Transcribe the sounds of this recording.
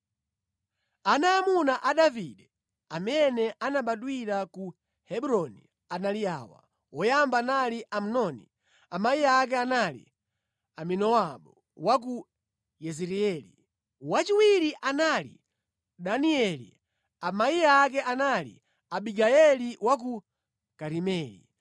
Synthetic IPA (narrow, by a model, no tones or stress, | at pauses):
anaːmunaʔaɗaviɗɛ | amɛnɛʔanaɓaɗwiɾaku | hɛɓuɾɔni | analiaːwa̰ | ɔjambanaliʔam̩nɔni | amaiak̬ɛanalḭ | aminɔwaɓɔ | wak̬u | jɛziɾiɛlḭ | wat͡ʃiwiɾiʔanalḭ | ɗaniɛlḭ | amaiak̬ɛʔanalḭ | aɓiɡajɛliwak̬u | kaɾimɛːlḭ